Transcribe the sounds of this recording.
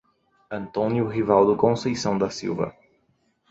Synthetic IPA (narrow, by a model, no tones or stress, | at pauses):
ɐ̃nt̪õnjʊɦivawd̪ʊkõsejsɐ̃w̃d̪ɐsḭwvɐ̰